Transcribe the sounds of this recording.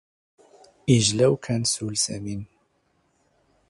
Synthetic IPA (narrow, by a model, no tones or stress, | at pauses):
iʒlɛwkʰɛnsuːlsɛ̰miːn